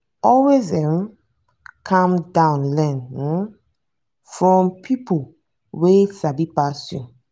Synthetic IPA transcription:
ɔlwezɛ̃m | kʰãmdãʊ̃nlɛ̃n̩ | fɹɔ̃mpʰipʰo | wesabipasṵ̃n

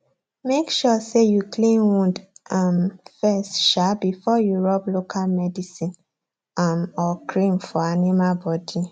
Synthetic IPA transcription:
mekʃɔsejuklĩnwũndamfɛstʃabifɔjuɹɔplokʰalmɛdisĩn | amɔkʰɹĩmfɔanimalbɔdi

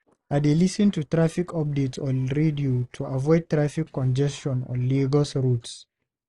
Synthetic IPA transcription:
adelisə̃ntutɹafikʰɔp̚detsɔɹediutʰuavɔɪd̚tɹafikːɔ̃nd͡ʒɛstɔ̃nɔ̰liɡəsɹuts

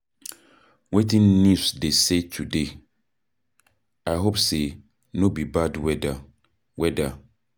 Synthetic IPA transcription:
wetʰĩnːusdesetʰude | aɪɦopse | nobibadwɛda | wɛda

